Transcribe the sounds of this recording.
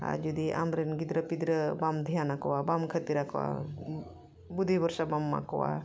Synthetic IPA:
a̰d͡ʒud̪iʔa̰mɾenɡid̪ɾɐpid̪ɾɐbamd̪ʱijaːnakowabamkʰɐt̪iɾakwa̰ | bud̪ʱibɐɾʃabamːa̰ko̰wa̰

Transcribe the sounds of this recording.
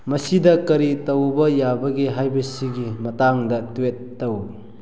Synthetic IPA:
mɐsidɐkɐɾitɐwbɐjabɐɡeɦajbɐsiɡimɐtaŋdɐtuwetːɐw

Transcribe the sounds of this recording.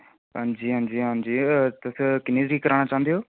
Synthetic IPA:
ɦə̃d͡ʒiːɦə̃nd͡ʑiːɦə̃nd͡ʑiːt̪ʊskɪniːziːkəɾaːɽ̃at͡ʃãːnd̪ijoː

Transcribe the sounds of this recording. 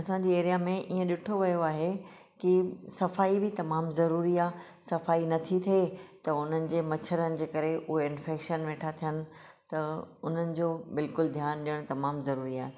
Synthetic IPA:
ɐsãɲd͡ʑiːeːɾijamẽʔiːə̃ɗɪʈʰoʋɐjoaːɦe | kɪsɐfaːibɪt̪ɐmaːmzɐɾuːɾiaː | sɐfaːinɐt̪ʰit̪ʰet̪ɐʊn̤ənɪ̆d͡ʑeːmɐt͡ɕʰəɾənɪ̆d͡ʑeːkɐɾeʊɦeɪ̃nfeːkʃənʋeːʈʰat̪ʰijənɪ̆ | t̪ɐʊn̤ənɪ̆d͡ʑoːbɪlkʊld̪ʱjaːnɗijəɽ̃t̪ɐmaːmzɐɾuːɾiaːɦe

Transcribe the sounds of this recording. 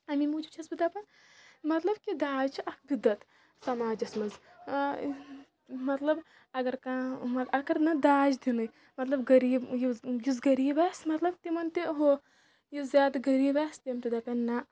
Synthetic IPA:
ɐmimuːd͡ʒub̚t͡ʃʰɐsbid̪ɐpɐn | mɐt̪lɐbkid̪aːd͡ʒt͡ʃʰiʔɐkbid̪ɐt̪ | sɐmaːd͡ʒɐsmɐz | mɐt̪lɐb | ɐɡɐɾkãːmɐɐɡɐɾnɐd̪aːd͡ʒd̪inɨj | mɐt̪lɐbɡɐɾiːbjijizɡɐɾiːbasmɐt̪lɐbt̪imɐnt̪iɦo | jizʲjaːd̪ɡɐɾiːbaːst̪iɐmt̪id̪ɐpɐnːa

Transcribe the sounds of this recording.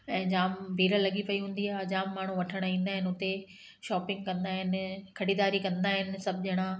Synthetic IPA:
ɛ̃ːd͡ʑaːmbʱiːɾəlɐɠipɐiɦũːn̆d̪iaːɦed͡ʑaːmːaːɳ̤uʋɐʈʰəɽ̃ĩːn̆d̪aːɦɪnɪʊt̪e | ʃɔːpɪ̃ŋɡ̚kɐ̃nd̪aːɦɪn̆kʰɐɽiːd̪aːɾikɐ̃nd̪aːɦɪnɪ̆sɐbʱɪʄɐɦɪɽ̃a

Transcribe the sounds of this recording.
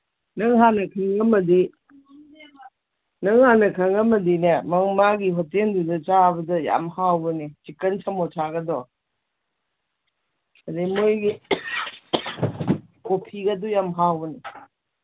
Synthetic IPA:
nɐŋɦanɐkʰɐŋɐmɐdi | nɐŋhanɐkʰɐŋɐmɐdinemɐŋmaɡiɦɔtendudɐt͡ʃabɐdɐja̰mhawbɐnit͡ʃikɐnsʰamɔtʰaɡɐdɔ | adimojɡi | kopʰiɡadujamɦawbɐni

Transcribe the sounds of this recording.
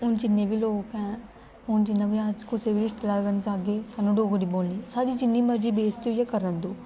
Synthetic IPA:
ʊnd͡ʒɪnːẽːbiːloːkɛ̃ː | ʊnd͡ʒɪnːãːbiaːzkoseːʋɪlɪʃt̪əlaːɡənd͡ʒaːɡeːsaːnũːɖoːɡɽiːboːlniːsaːɽiːd͡ʒɪnːiːməɾd͡ʒiːbeːst̪ojakəɾənd̪oː

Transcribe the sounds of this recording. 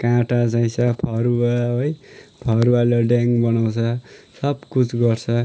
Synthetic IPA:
kãʈat͡saĩsʌpʰʌɾuwaɦojpʰʌɾuwaleɖaŋbʌnaw̃t͡sʰʌsʌbkut͡sʰɡʌrt͡sʰʌ

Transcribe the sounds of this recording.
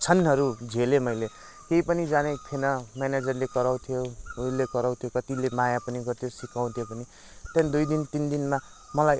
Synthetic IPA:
t͡sʰʌnɦʌɾud͡zʱelemʌjle | keipʌnid͡zanekʰenʌmaned͡zʌrlekʌɾaw̃t̪ʰijolekʌɾaw̃t̪ʰijokʌt̪ilemajapʌniɡʌrt̪ʰjosikãw̃t̪ʰjopʌni | t̪jand̪ujd̪int̪ind̪inma | mʌlaj

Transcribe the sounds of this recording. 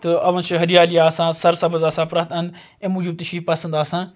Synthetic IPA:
t̪ɨɐʋɐnt͡ʃʰɦɐɾijaːlijaːsãːsɐɾsɐbəzaːsãːpɾɐt̪ɐnd̪ | ẽmud͡ʒub̚t̪ɐʃiːfpɐsə̃nd̪aːsãː

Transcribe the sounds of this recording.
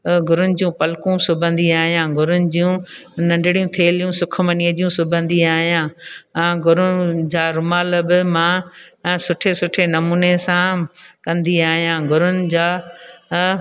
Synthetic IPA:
ɡʱʊɾʊnɪ̆d͡ʑijũpɐlkũsʊbʱə̃nd̪iaːɦijãːɡʱʊɾʊnɪ̆d͡ʑijũnɐ̃ɳɖɪɽijũt̪ʰeːlijũsʊkʰmɐniəd͡ʑijũsʊbʱə̃nd̪iaːɦijãː | ɡʱʊɾʊnɪd͡ʑaːɾʊmaːləbɪmã | sʊʈʰesʊʈʰenɐmuːnesãkɐ̃nd̪iaːɦijãːɡʱʊɾʊnɪ̆d͡ʑaː

